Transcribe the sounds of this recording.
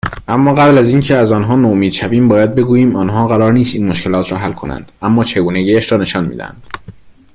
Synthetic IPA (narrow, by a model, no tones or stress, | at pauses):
ʔæmːɒːɣæblæziːncʰe̞æzɒːnɦɒːnomiːd̪ʃæbiːmbɒːjæd̪̚be̞ɡuːjiːmɒːnɦɒːɣæɾɒːɾniːst̪iːnmoʃcʰe̞lɒːt̪ʰɾɒːɦælkʰo̞næ̰nd̪̥æmːɒːt͡ʃʰe̞ɡuːneɟiːæʃɾɒːne̞ʃɒːnmḭːd̪æ̰æ̰nd̪̥